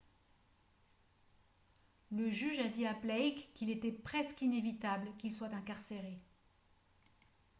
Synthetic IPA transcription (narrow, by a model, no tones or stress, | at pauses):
ləʒyʒad̪iaplɛjkːilet̪ɛpχɛskinevit̪ablkilswat̪ɛ̃kaʁseʁe